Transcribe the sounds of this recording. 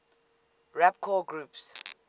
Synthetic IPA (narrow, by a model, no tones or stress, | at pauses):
ɹapkʰɔɡɹups